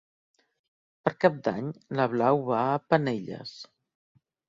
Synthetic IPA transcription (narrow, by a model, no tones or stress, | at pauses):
pəɾkap̚d̪aɲləβlawβaəpəneʎə̰s